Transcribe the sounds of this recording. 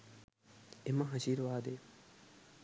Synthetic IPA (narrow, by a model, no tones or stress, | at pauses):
emɐɦɐʃiːɾʋaːd̪eː